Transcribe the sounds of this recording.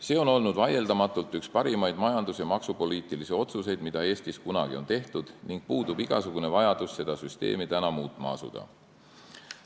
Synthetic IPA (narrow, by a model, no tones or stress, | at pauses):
se̞ːo̞no̞lnud̪vɑje̞ld̪ɑmɑt̪ːˑult̪ːˑykspɑɾimɑjd̪̥mɑjɑnd̪̥usjɑmɑksupo̞liːt̪ilisio̞t̪suse̞jd̪̥̚mid̪ɑe̞ːst̪iskunɑ̰ɡ̥io̞nt̪e̞ht̪ud̪̥niŋɡ̥̚puːd̪ubiɡ̥ɑsuɡ̥une̞vɑjɑd̪̥usːe̞d̪̥ɑsyst̪e̞̰ːmit̪ænɑmuːt̪ːˑmɑ̰ɑ̰sṵd̪̥ɑ̰